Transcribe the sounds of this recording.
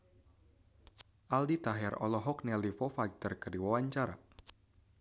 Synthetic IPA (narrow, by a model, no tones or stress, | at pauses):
ʔaldit̪aɦarɔ̰lɔɦɔknɛlifɔfak̚t̪ərkədiwawaɲt͡ʃaɾa̰